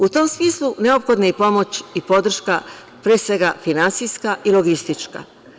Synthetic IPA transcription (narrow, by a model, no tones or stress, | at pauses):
ut̪o̞msmiːslˠuneo̞pxo̞d̪neipo̞mo̞t͡ɕipo̞d̪r̩ʃka | pɾeːsʋe̞ɡafinant̪sijskaʔilo̞ɡist̪it͡ʃka̰